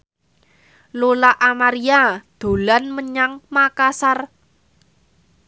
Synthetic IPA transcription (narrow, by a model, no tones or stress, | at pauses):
lolaʔamaɾiad̪̥o̤lanməɲaŋmakasar